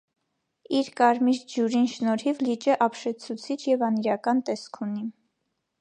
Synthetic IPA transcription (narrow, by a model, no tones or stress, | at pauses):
iɾkɑɾmiɾd͡ʒuɾinʃnɔɾhivlit͡ʃəʔɑpʃɛt͡sʰut͡sʰit͡ʃʰjɛvɑniɾɑkɑnt̪ɛskʰuni